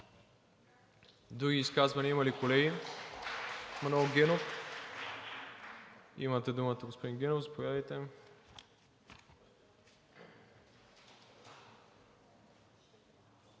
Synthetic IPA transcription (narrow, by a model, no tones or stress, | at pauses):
d̪ɾuɡʲiːskazvɐnʲiimɐlikolɛɡʲi | mɐnoɡʲɛnof | ḭmɐt̪ɛd̪umət̪ɐɡospod̪inɡʲɛnofzɐpovʲjad̪ɐjt̪ɛm